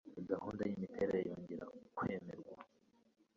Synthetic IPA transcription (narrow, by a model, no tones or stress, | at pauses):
iɡahuːndajimitʰe̞ɾejejoːɲɟeɾakwe̞ːme̞ɾɡwa